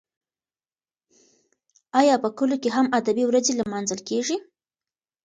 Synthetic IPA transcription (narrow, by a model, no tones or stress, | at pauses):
ɑjɑpəkəlokeɦamad̪abiwɾazelmɑnzəlkeʐi